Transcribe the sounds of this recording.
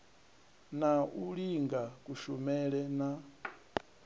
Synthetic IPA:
naʔuliŋɡakuʃɔmɛɺɛna

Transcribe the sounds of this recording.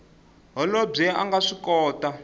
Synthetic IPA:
ɦɔlɔb͡ʐɛaŋɡaʂikɔːta

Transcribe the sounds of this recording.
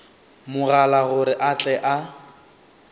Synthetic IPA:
mʊɣalaɣʊɾɪʔat͡ɬʼɛʔa

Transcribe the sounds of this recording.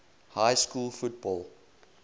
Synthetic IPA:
hajskuːlˠfut̚bɔːlˠ

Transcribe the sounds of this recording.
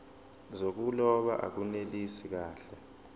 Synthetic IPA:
zok̬ulɔɓa̰ʔa̰k̬unelisik̬aːɬɛ

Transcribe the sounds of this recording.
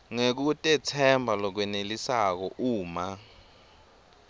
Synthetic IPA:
ŋek̬utʼɛt͡sʰɛmbʱalɔk̬wɛnelisak̬ɔʔuːma

